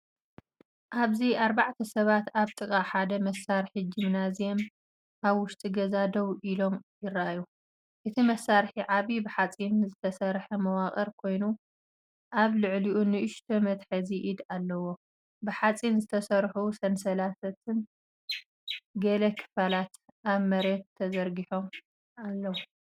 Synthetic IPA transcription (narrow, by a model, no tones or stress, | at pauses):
ʔaβziʔaɾbaʕt̪ʰɐsɐβat̪aβt̪ʼɨkʼaħad̪ɐmɐsːaɾħid͡ʒɪmnazjem | ʔaβwʊʃt̪ʼiɡɐzad̪ɐwʔilo̞mjɪraʔju | ʔɨt̪ʰimɐsːaɾħiʕaβibɨħat͡sʼinzɨt̪ʰɐsɐɾħɐmɐwaχʼɐɾkʰo̞jnu | ʔaβlɨʕliʔunɨʔɨʃt̪ʰomɐt̪ħɐziʔid̪alːɐwo̞ | bɨħat͡sʼinzɨt̪ʰɐsɐɾħusɐnsɐlat̪ʰɐt̪ʰɨn | ɡɐlɐkʰɨ̥falat̪ʔaβmɐɾet̪ʰːɐzɐɾɡiħo̞m | alːɐwu